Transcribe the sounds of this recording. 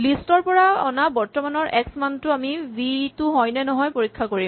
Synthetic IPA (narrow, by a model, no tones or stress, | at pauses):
listɔɹpɔɹaɔnabɔɹtɔmanɔɹʔɛksmantʊamibitʊɦɔjnɛnɔɦɔjpoɹikʰːakoɹim